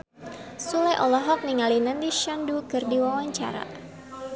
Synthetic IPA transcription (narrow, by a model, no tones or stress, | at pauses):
sulɛʔɔlɔɦɔk̚niŋalinəndiʃɔndukərdiwawaɲt͡ʃa̰ɾa̰